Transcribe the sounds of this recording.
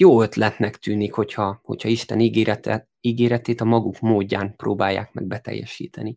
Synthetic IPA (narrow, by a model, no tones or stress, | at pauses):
joːøt̪lɛt̪nɛkt̪yːnikho̞chɒho̞̰cʰhɒiʃt̪ɛniːɡeːɾɛt̪ɛ | iːɡeːɾɛt̪eːt̪ɒmɒɡukmoːɟːaːmproːbaːjːa̰ːkmɛ̰ɡ̚bɛt̪ɛ̰jːɛ̰ʃḭːt̪ɛni